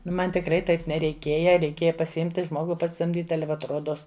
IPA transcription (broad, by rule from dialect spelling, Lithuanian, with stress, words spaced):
ˈnʊ ˈmɐn tʲɪkˈrɐɪ ˈtɐɪp nʲɛrʲɛɪˈkʲeːjɛ rʲɛɪˈkʲeːjɛ pɐsʲɪˈɪmʲtʲɪ ˈʒmoːɡʊ pɐsʲɪsɐmʲˈdʲiːtʲɪ ˈɑːlʲɛ ʋɐt ˈroːdoːs